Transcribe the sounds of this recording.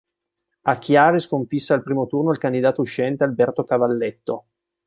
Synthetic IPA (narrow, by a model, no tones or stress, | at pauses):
akːjaːɾiskoɱfisːaːlpɾiːmot̪urnoilkand̪id̪aːt̪ouʃːɛnt̪ealbɛrt̪okavalːɛt̪ːo